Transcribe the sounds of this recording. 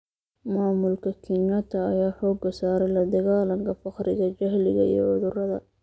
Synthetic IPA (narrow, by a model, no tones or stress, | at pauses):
maːmʊlkʰɐkʰɪŋɐt̪ʰɐːjaːħɔːɡɐsaːɾɛjlɐd̪ɐɣaːlɐŋkʰɐfɑqrɪ̰ɣɐt͡ʃɐɦlɪɣɐ̰ḭːʕʊðʊrɐðɐ̰